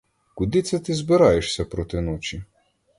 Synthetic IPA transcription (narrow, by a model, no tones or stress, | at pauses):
kʊd̪ɪt̪sɛt̪ɪzbɪɾɑjeʃsʲɐpɾɔt̪ɪnɔt͡ʃi